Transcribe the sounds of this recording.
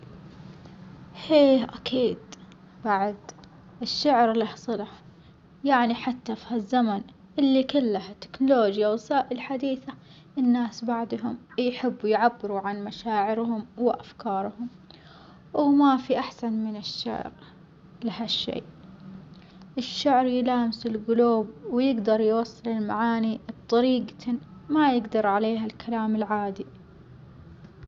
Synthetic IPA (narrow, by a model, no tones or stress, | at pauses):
heːʔakʰiːd̪ | baʕd̪ | ʔɪʃːaʕɾlahsˤɨlɑħ | jaʕniħat̪ːafhazːaman | ʔɪlːikʊlːahat̪ːɪ̥knʊloːd͡ʒjawsaːʔɪlħad̪iːθa | ʔɪnːaːsbaʕd̪ˤɦʊmjħɪbːujʕabːɪɾuʕanmaʃaːʕɪɾɦʊmwɪʔafkʰɑːɾˤhʊm | wɪmafiʔaħsanmɪnɪʃːa̰ʕɾ | lɪhaʃːḛːʔ | ʔɪʃːaʕɾjlaːmɪsɪlɡʊluːbwɪjɪɡd̪ɑɾˤjwɑsˤːɨlɪlma̰ʕaːnibt̪ˤɑɾiːɡmajɪɡd̪ɑɾˤʕaleːɦalkʰalaːmɪlʕaːd̪i